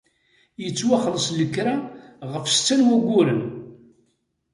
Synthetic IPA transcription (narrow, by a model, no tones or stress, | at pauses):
jət͡sːwaχələsləkːɾaʁəfst͡sːænwæɡʷːʊɾən